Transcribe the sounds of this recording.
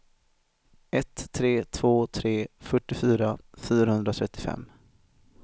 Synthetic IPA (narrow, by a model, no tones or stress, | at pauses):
ɛt̪ʰːɾeːt̪ʰvoːt̪ʰɾeːfœʈːɪfyːɾafyːɾahɵnd̪ɾat̪ʰɾɛt̪ːɪfɛ̰mː